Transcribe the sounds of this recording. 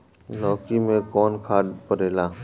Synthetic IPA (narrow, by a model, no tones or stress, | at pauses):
lɔːkimẽkɔːnkʰaːd̪pəɾeːlaː